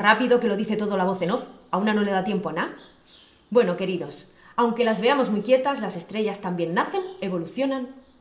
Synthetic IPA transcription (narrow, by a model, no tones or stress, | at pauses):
rapiðo̞ke̞lo̞ð̞iθe̞t̪o̞ð̞olaβo̞θe̞no̞θaunano̞le̞ðat̪jempoana | bwe̞no̞ke̞ɾiðo̞s | awŋke̞lazβe̞amo̞zmuijkje̞t̪azlase̞st̪ɾe̞ʝast̪ambje̞nːaθe̞ne̞β̞o̞luθjo̞nan